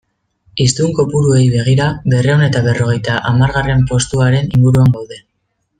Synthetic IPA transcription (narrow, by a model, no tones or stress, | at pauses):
ist̪uŋko̞puɾue̞jβe̞ɣ̞iɾaβe̞reone̞t̪aβe̞ro̞ɣ̞e̞jt̪aʔamaɾɣare̞mpo̞st̪uaɾe̞niŋɡuɾuaŋɡawðe̞